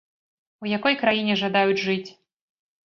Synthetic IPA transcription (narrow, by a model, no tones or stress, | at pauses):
ujakɔjkɾajinʲɛʐad̪ajud͡zʲʐɨt͡sʲ